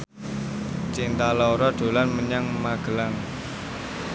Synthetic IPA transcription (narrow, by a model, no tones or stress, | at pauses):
t͡ʃint̪alɔɾɔɖ̪̥o̤lanməɲaŋmaɡ̥ə̤lan